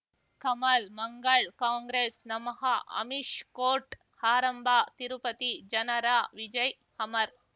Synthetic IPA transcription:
kɐmɐlmɐŋɡɐɭkaːŋɡɾeːsnɐmɐɦɐɐ̰miʂkoːɾʈ | haːɾɐmbʱaːt̪iɾupɐt̪id͡ʒɐnɐɾaːʋid͡ʒɐj | hɐmɐɾ

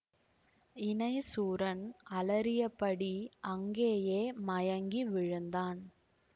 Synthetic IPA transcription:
ɪnɐɪsuːɾɐnɐlɐɾɪjɐpːɐɽiʔɐŋɡeːjeːmɐjɐŋɡiʋɪɻɯnd̪aːn

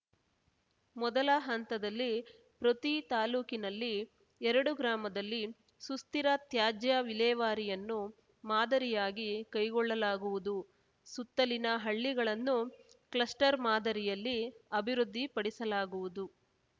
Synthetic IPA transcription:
mɔd̪ɐlɐɦɐnt̪ɐd̪ɐlːi | pɾot̪it̪aːluːkinɐlːi | ɛɾɐɽuɡɾaːmɐd̪ɐlːi | sust̪iɾɐt̪jaːd͡ʒjɐʋilɛːʋaːɾijɐnːu | maːd̪ɐɾijaːɡikɐjɡɔɭːɐlaːɡuʋud̪u | sut̪ːɐlinɐɦɐɭːiɡɐɭɐnːuklɐsʈɐɾmaːd̪ɐɾijɐlːiɐbʱiɾud̪ʱːipɐɽisɐlaːɡuʋud̪u

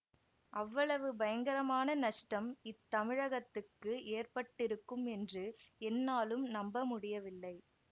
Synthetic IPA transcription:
ʔɐʋːɐɭɐʋɯbɐjɐŋɡɐɾɐmaːnɐnɐʂʈɐmɪt̪ːɐmɪɻɐɣɐt̪ːɯkːɯeːrpɐʈːɪɾɯkːɯmɛndrɯɛnːaːlɯmnɐmbɐmʊɽɪjɐʋɪlːɐɪ

